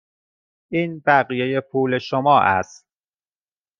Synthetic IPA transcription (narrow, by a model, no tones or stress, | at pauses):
ʔiːnbæɣijeje̞pʰuːleʃomɒːʔæ̰st̪̚